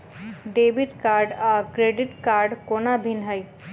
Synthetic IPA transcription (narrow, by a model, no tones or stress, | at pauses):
ɖeːbɪʈkaːɾɖaːkɾeːɖɪʈkaːɾɖkoːnabʱɪnɦəj